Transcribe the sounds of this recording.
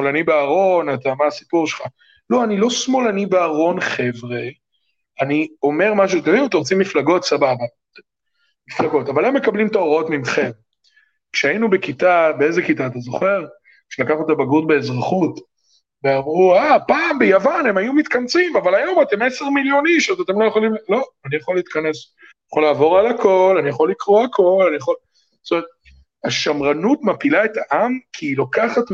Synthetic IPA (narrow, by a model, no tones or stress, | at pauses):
smolanibeaʁo̞nat̪amaːsipuʁʃelχa | loanilo̞smo̞lanibeaʁo̞nχe̞vʁe̞ | anio̞me̞ʁmaʃ̬uatemviut̪oʁot͡simiflaɡo̞t̪sababa | miflaɡo̞tavalemːe̞kablimt̪aoʁo̞tmimχe̞m | kʃeainube̞kitabeezekitaːtazo̞χe̞ʁ | kʃelakaχot̪abaɡutbe̞ːzʁaχut | veamʁuapaːmbejavane̞majumit̪kant͡simavalajo̞mate̞meseʁmiljo̞niʃozat̪e̞mlojaχolimlo̞anijaχo̞liːt̪kane̞s | jaχolaːvo̞ʁalako̞lanijaχo̞lːikʁuakʰo̞lanijaχol | tomeet̪̚ | haʃamʁanutmapilae̞taʔamkʰiːlokaχat